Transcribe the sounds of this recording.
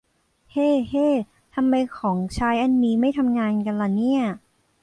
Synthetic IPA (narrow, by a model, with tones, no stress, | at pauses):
heː˥˩heː˥˩ | t̪ʰa˧mːa˧jkʰɔː˩˦ŋt͡ɕʰaː˧˦˥jʔa˧nːiː˧˥ma˥˩jt̪ʰa˧mŋaː˧nka˧nla˧˩ni˥˩ɐ